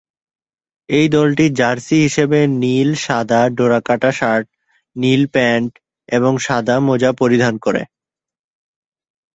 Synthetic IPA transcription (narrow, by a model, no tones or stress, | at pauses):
ejd̪ɔlʈid͡ʑaɾsiɦiʃebenilʃad̪ʱaɖoɾakaʈaʃaɾʈ̚ | nilpɛɳʈ | eβoŋʃad̪ʱamod͡ʑapoɾid̪ʱankoɾḛ